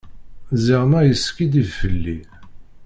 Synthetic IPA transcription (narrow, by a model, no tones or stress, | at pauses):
ziʁmæjəskid̪ivfəlːi